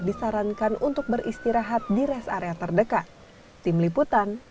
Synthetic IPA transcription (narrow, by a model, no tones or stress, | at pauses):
disaɾankanunt̪ʊk̚bəɾʔist̪iɾaɦat̪̚diɾɛsa̰ɾeat̪ərdəka | t̪imliput̪an